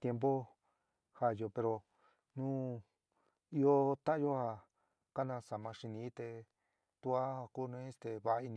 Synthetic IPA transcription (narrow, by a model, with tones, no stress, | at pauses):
t̪je˧mp̬o˦ | ha˧˨jo˧˨pe˧ɾo˧ | nũ˦ | i˦o˦t̪a˦jo˦ha˧ | ka˦nã˧sa˨mã˧ʂi˧nĩ˧˦t̪e˧ | t̪u˧a˦ha˧ku˦˧nũ˧˦st̪e˧βa˧i˧nĩ˧